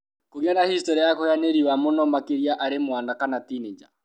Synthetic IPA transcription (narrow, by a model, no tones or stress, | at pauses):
koɣjanahistɔɾiajakoeaneɾiwamonɔmakeɾiaʔaɾemwanakanatined͡ʒa̰